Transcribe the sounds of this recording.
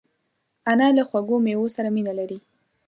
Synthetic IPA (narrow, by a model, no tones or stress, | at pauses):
analaxwaɡomewosaɾaminalaɾi